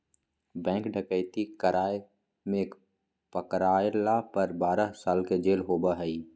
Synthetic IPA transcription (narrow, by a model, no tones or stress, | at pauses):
bɛ̃ːŋkɖəkəɪt̪ikəɾaːe | mẽk | pəkɾaːlapəɾbaːɾəsaːlked͡ʒeːlɦoːbaɦɛi